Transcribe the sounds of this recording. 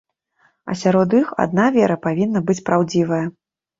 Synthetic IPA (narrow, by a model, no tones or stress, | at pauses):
ɐ̰sʲaɾɔd̪ixa̰d̪navʲɛɾɐpavʲinːɐbɨt͡sʲpɾawd͡zʲivɐjɐ